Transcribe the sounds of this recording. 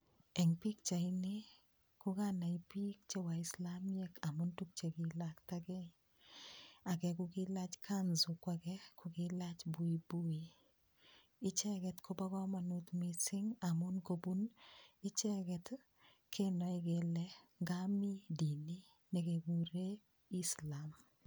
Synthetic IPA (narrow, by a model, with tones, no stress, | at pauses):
ɛ˨ŋpi˦kt͡ʃa˨i˦ne˦ | kʊ˦ka˦na˨i˨pi˦k̚t͡ʃe˦wa˨ɪ˨sla˦m˦ɛ˦ka˨mʊ˦ntu˦k̚t͡ʃe˨kɪ˨lakta˦kɛ˦ɲ | a˨kɛ˨kʊ˦kɪ˦la˦t͡ʃkʰa˦nzʊ˨kwa˨kɛ˦kʊ˨kɪ˦la˦t͡ʃbu˨i˨bu˦i˨ | ɪ˦t͡ʃɛ˦kɛ˨tkʰo˦ba˦kɔ˦ma˨nu˦tmi˨sɪ˦ŋa˨mʊ˦nko˨bu˦nɪ˦t͡ʃɛ˦kɛ˨t | kʰe˦nɔ˨i˨ke˨lɛŋɡa˦mi˦di˨ni˦ | ne˨keɡu˨ɾe˦ | i˦sla˨m